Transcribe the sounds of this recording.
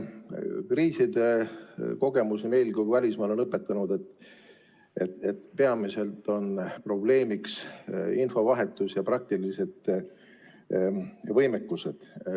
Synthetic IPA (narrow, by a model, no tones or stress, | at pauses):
kriːsid̪e̞ko̞ɡ̥e̞musme̞jlkuvælʲismɑːle̞nɤpːˑe̞t̪ːˑɑnud̪̥e̞t̪ːˑ | ʔet̪et̪peɑmise̞lt̪ːˑo̞npro̞ble̞ːmiksinfo̞vɑɦe̞t̪ːˑusjɑprɑk̚t̪ilise̞d̪̥ | vɤjmekːˑuse̞d̪̥